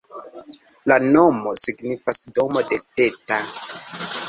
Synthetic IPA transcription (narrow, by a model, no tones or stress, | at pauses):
lano̞mo̞siɡnifasdo̞mo̞de̞te̞ta